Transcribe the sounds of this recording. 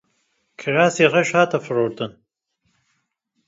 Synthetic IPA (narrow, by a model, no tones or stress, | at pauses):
kʰəɾaːsiːʁɐʃhaːt̪ʰɐfɨɾoːɾd̪ɨn